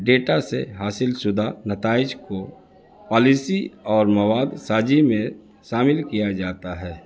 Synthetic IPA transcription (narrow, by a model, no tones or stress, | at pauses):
ɖeːʈasḛɦaːsɪlsʊd̪ʱanət̪aːɪd͡ʒko | pɔːlɪsiɔːɾməwaːd̪saːd͡ʒimẽ | ʃaːmɪlkijad͡ʒaːt̪aɦɛː